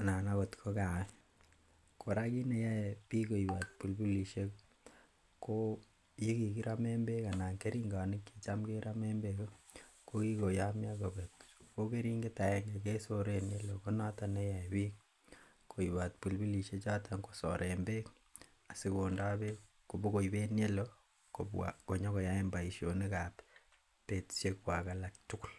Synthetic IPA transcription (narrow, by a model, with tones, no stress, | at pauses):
na˨na˦ko˨tkʰo˦ka˨wɛ˦ | ko˨ɾa˦ki˦ne˨ja˦pi˦ko˨i˨ba˨t̚pu˨lbu˦li˨ʃe˦k | ko˦ | ji˦ki˨ki˦ɾʔa˦me˦mbe˦ka˨na˨ŋke˦ɾi˦ŋɡa˨ni˦ki˨t͡ʃa˦mke˦ɾa˦me˦mbeko˦ko˦ki˦ko˨ja˦mja˦ko˨be˨tko˦ke˦ɾi˦ŋɡeta˨ɛ˦ŋɡe˨ke˦so˦ɾe˦ne˦lo˨ko˦na˦ta˨ne˦ja˨biː˦k | kʰo˨iβa˨t̚pu˨lbi˦li˨ʃe˦t͡ʃa˦tʰaŋko˨sɔ̰ɾembe˦k | a˨se˦ko˨nda˦be | ko˨buko˨iβe˦nje˦lo | ko˨a̰ko˨ɲɔ˦ko˨ja˦emba˨i˨ʃjo˨nikap | pe˨ti̥ʃekwa˨ka˨lak̚tuku˦˨l